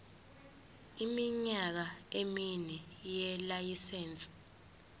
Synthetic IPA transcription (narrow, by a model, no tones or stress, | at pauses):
imiɲak̬aeminɛjɛlajisɛːnt͡sʼi̥